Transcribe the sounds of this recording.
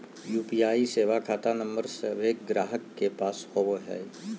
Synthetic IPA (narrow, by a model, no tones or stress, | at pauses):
juːpijaːiseːʋakʰaːt̪anə̃mbəɾseʋeːk̚ɡɾaːɦəkːepaːshoboɦɛ̰ː